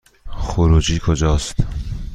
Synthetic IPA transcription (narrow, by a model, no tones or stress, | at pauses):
xoɾuːd͡ʒiːkʰod͡ʒɒːst̪